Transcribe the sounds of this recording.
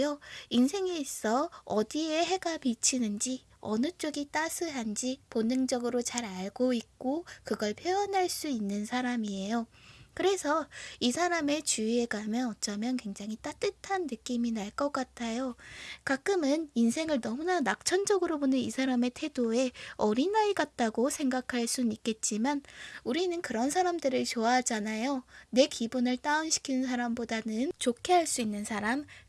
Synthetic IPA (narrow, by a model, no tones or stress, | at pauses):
joinsʰe̞ŋes͈ʌʌdieɦe̞ɡapit͡ɕʰinɯnd͡ʑi | ʌ̰nɯt͡ɕ͈oɡit͈asʰɯɦand͡ʑiponːɯŋd͡ʑʌɡɯɾot͡ɕaɾaɭɡoik̚k͈okɯɡʌɭpʰjojʌnɦaɭs͈uinːɯnsʰaɾamie̞jokɯɾe̞sʰʌisʰaɾame̞t͡ɕuieɡamjʌnʌt͡ɕ͈amjʌnkwe̞ŋd͡ʑaŋɦit͈at͈ɯtʰanːɯk͈iminaɭk͈ʌk͈atʰajokak͈ɯmɯninsʰe̞ŋɯɭnʌmunanak̚t͡ɕʰʌnd͡ʑʌɡɯɾobonɯnisʰaɾame̞tʰe̞doe̞ʌɾinaiɡat̚t͈aɡosʰe̞ŋɡakʰaɭs͈uik͈e̞t̚t͡ɕ͈imanuɾinɯnkɯɾʌnsʰaɾamdɯɾɯɭt͡ɕoaɦad͡ʑanajone̞kibunɯɭt͈aɯnɕʰi̥kʰinnsʰaɾambodanɯnt͡ɕokʰeɦaɭs͈uinːɯnsʰaɾam